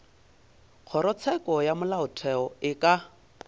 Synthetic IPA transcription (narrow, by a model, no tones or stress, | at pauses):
q͡χʰɔɾɔt͡sʰɛkʼɔjamʊlaʊtʰɛɔɪkʼa